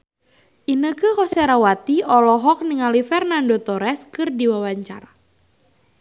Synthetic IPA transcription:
ʔinəkɨkɔsaɾawat̪iɔlɔɦɔk̚niŋalifɛrnandot̪ɔɾɛskɨrdiwawaɲt͡ʃa̰ra

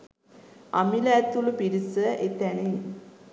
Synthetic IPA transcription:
amiləæt̪ulupiɾisəʔet̪æne

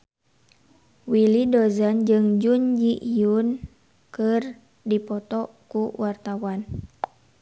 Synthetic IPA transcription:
wilidɔzand͡ʒɨŋd͡ʒund͡ʒiʔiun | kɨr | dipɔt̪ɔ | kuwart̪awan

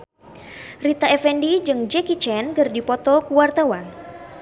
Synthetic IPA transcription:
rit̪aɛfɛndid͡ʒɨŋd͡ʒɛkit͡ʃɛnkərdipɔt̪ɔkuwart̪awan

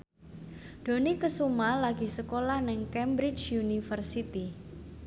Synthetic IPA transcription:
d̪̥o̤nikəsumalaɡi̤səkolahnɪŋkɛmbɾɪt͡ʃunifərsit̪i

